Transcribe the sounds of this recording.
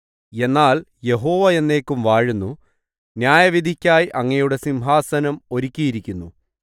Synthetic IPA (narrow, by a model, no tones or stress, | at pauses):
e̞nːaːlje̞ɦo̞ːʋɐe̞nːe̞ːkːumʋaːɻunːu | njaːjɐʋid̪ʱikʲːaːjʔɐŋːɐjuɽe̞simɦaːsɐnɐmo̞ɾikʲːijiɾikʲːunːu